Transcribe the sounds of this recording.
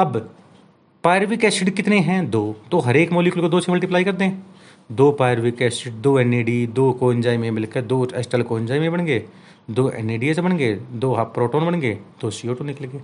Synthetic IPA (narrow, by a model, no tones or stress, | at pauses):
ɐb | paːjəɾʋikɛːsɪʈkɪt̪neɦɛ̃ːd̪oːt̪oːɦɐɾeːkmoːlikʊlkod̪oːt͡ʃʰeməlʈiːplaːikɐɾd̪ẽɛ̃ | d̪oːpaːəɾʋikɛːsɪʈ̚d̪oːɛneːɖiːd̪oːkoːnd͡ʒaːimẽbɪlked̪oːɛsʈəlkoːnd͡ʒaːimẽbɐɽɡeː | d̪oːʔɛ̰neːɖiːesebɐɳɡeːd̪oːɦpɾoːʈoːnbɐɽɡeːd̪̥oːsioːʈonɪkəlɡeː